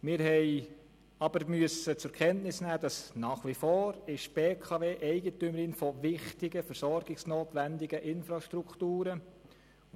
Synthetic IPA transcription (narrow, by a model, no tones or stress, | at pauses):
mɪɾɦɛɪ | ɑb̥əɾmyəsət͡sʊkʰɛntnɪsnæːd̥̪ɑsnɑːχʋifoːɾɪʃb̥eːkʰɑʋeːʔɛɪɡətʏməɾɪnfɔʋɪχtɪɡəfəɾsɔɾɡ̥ɪksnoːt̪ʋænd̪ɪɡ̥əʔɪnfɾɑʃtɾukχt̪uːɾə